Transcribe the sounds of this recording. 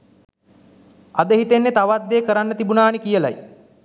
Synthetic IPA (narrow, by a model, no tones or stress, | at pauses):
ad̪əɦit̪enːet̪aʋad̪ːeːkəɾanːət̪ibunaːnikijəla̰j